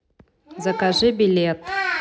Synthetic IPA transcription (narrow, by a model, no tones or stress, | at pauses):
zɐkaʐɨbʲilʲet̪